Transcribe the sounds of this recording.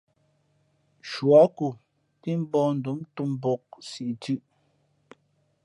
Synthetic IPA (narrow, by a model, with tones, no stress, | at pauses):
ʃwa˨˦ku˨ | pi˦m˦bɔ˦n̩˨du˨˦mtu˦m˨bɔ˨k̚si˨ʔtʉ˦ʔ